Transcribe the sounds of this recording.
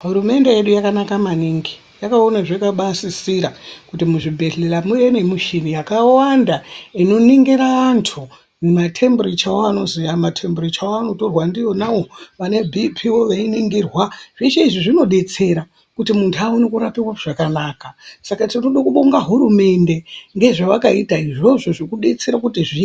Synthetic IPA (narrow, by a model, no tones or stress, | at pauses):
ɦuɾume̞nde̞jeɗujakanakamaniŋɡi | jakao̞naʐekaɓasisiɾakutimuʐibʱe̞ɮe̞lamuje̞ne̞muʃinijakawandaino̞niŋɡiɾaːntʰu | mematʰe̞mburit͡ʃawoano̞zijamatʰe̞mburit͡ʃawoano̞to̞rwandijo̞nawo̞ʋane̞bʱipʰiwo̞ʋainiŋɡirwaʐ̥it͡ʃeiʐiʐino̞ɗe̞t͡se̞ɾa | kutimuntʰuaonekuɾapiwaʐ̥akanaːkasakatinoɗokuɓoŋɡaɦuɾume̞ndeŋɡe̞ʐaʋakaitaiʐo̞ʐoʐikuɗe̞t͡se̞ɾakutiʐi